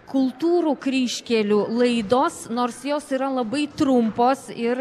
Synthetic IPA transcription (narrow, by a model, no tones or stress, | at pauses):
kʊlˠt̪uːɾuːkɾʲiːʃʲkʲɛlʲuːlˠɐɪd̪oːsnoːɾsjoːsiːɾɐlˠɐbɐɪt̪ɾʊmpoːsɪɾ